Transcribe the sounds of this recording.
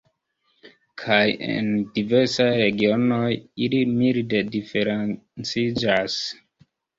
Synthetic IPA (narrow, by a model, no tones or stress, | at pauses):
kʰajḛndive̞ɾsajɾe̞ɡio̞no̞jilimilde̞dife̞ɾent͡sid͡ʒas